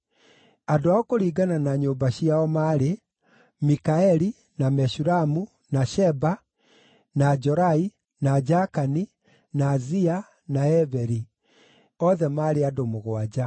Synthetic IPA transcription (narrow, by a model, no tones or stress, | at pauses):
adoaɔkoɾiːɡananaɲoːmbaɕiaɔmaːɾe | mikaɛɾi | namɛʃuɾamu | naʃɛba | nad͡ʒɔɾai | nad͡ʒakani | naːzia | naɛvɛɾi | ɔðɛmaːɾeadomoɣwad͡ʑa